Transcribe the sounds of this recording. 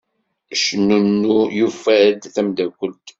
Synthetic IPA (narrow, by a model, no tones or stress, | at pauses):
ʃnːunːujufːæd̪θæmd̪ækʷːəlt̪